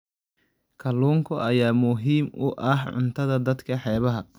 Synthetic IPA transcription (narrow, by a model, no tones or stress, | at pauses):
kʰɐluːŋkʰʊʔɐjaːmʊɦiːmʊʔɐhʕʊ̰nt̪ʰɐðɐd̪ɐd̪kʰɐħɛːβɐɦɐ